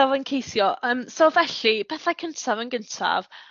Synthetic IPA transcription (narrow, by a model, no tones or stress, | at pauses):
avənkʰejsjɔəːmsovɛɬipʰɛθajkʰəntʰavənɡəntʰa̰v̥